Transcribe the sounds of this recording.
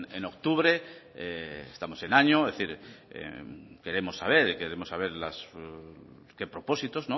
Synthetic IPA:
eno̞k̚t̪uβɾe̞ | eest̪amo̞se̞naɲoðeθiɾḛke̞ɾe̞mo̞sːaβ̞e̞ɾikeɾemosːaβ̞e̞ɾlas | kepɾo̞po̞sit̪ozno

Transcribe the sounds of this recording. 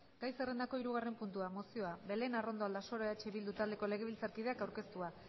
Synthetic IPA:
ɡ̥ajse̞re̞nd̪ako̞iɾuɣ̞are̞mpunt̪uamo̞sio̞abe̞le̞naro̞nd̪o̞ald̪aso̞ɾoat͡ʃeβild̪ut̪ald̪e̞ko̞le̞ɣe̞βilt͡saɾkið̞e̞akawɾke̞st̪ua

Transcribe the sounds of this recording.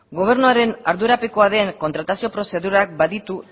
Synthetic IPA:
ɡo̞β̞e̞ɾnuaɾe̞naɾðueɾapeko̞aðe̞ːŋko̞nt̪ɾat̪asio̞pɾo̞se̞ðuɾak̚baðit̪u

